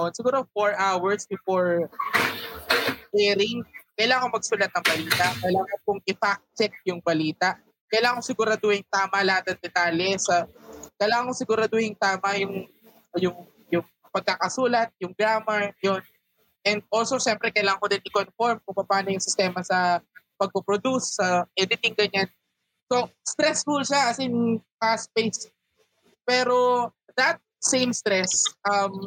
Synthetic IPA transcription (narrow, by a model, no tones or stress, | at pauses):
ʔonsɪɡuːɾofoɹʔawɐɹsbɪfoɹ | hɛɾɪŋkɐjlaːŋɐŋkːomɐɡ̚suːlɐt̪nɐŋbɐliːt̪ɐʔkɐjlaːŋɐkʊŋɪfak̚tt͡ʃɛk̪̚jʊŋbɐliːt̪ɐʔ | kɐjlaːɐŋkosɪɡuɾad̪oɪŋt̪aːmɐlɐhat̪̚nɐŋd̪ɛt̪aːljɛsɐkɐjlaːŋɐŋkːosɪɡʊɾad̪ojɪŋt̪aːmɐjʊŋ | jʊŋ | jʊŋ | pɐɡ̚kɐkɐsuːlɐt̪̚jʊŋɡɾaːmɐɹjo̞n | ʔɛnd̪̚ʔolsoʃɛmpɾɛkɐjlaːŋɐŋkod̪ɪnʔɪkonfoɹmkʊŋbɐpaːnɐjʊŋsɪst̪ɛːmɐsɐpɐɡ̚kopɾod̪usːɐʔɛd̪ɪt̪ɪŋɡɐɲan | so̞st̪ɾɛsfulʃaʔɐsɪnŋkaspejs | pɛːɾo̞ | d̪ɐt̪̚sejmst̪ɾɛsʔɐm